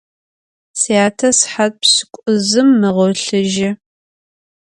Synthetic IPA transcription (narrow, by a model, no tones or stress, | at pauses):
siaːtʰɐsħat̚psɨ̥kʷʼʊzɨmːɨʁɔɬɨʒɪ